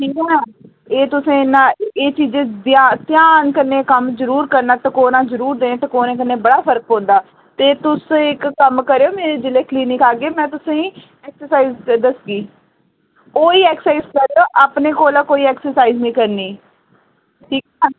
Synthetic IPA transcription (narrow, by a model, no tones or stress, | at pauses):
ʈʰiːkɛːɦɛː | eːt̪ʊsẽːnːãːeːt͡ʃiːd͡ʒẽːd̪at̪jaːnkəɾneːkəmzəɾuːɾkəɾnaːt̪akoːnãːzəɾuːɾd̪eːnẽːt̪akoːnẽːk̬ənːeːbəɽaːpʰəɾk̚ɦõːnd̪aː | t̪eːt̪ʊsɪkːəmkəɾeːoːmeːɾeːd͡ʒɪleːkliːnɪkaːɡeːmɛ̃ːt̪ʊsẽːĩː | ɛːksəɾsaːiːzd̪əsɡiː | koːiːɛːksaiːzkəɾeoːʔaːpneːkoːlaːkoːiːɛːksəɾsaːiznĩːkəɾniː | ʈʰiːkɛːɦɛː